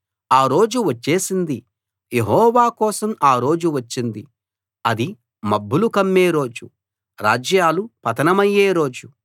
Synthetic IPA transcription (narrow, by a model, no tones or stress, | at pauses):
aːɾo̞ːd͡ʒuʋɐt͡ʃːe̞ːsind̪i | jeɦɔːʋaːkɔːsɐmaːɾo̞ːd͡ʒuʋɐt͡ʃːind̪i | ɐd̪i | mɐbːulukɐmːe̞ːɾo̞ːd͡ʒu | ɾaːd͡ʒjaːlupɐt̪ɐnɐmɐjːe̞ːɾo̞ːd͡ʒu